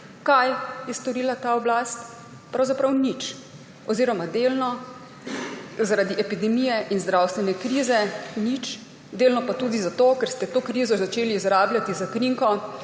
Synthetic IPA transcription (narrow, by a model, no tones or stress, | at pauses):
kajjɛst̪ɔɾiːlat̪aɔblast̪ | pɾawzapɾawnit͡ʃ | ɔziːɾɔmad̪eːlnɔ | zaɾad̪iʔɛpid̪ɛmijɛʔinzd̪ɾawst̪ʋɛnɛkɾiːzɛnit͡ʃ | d̪eːlnɔpat̪uːd̪izat̪oːkɛɾst̪ɛt̪oːkɾiːzɔzat͡ʃeːliːzɾaːbljat̪izakɾiŋkɔ